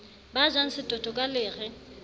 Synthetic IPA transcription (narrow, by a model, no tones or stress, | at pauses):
bad͡ʒwaŋ̩sɪtʼɔtʼɔkʼalɪːrɛ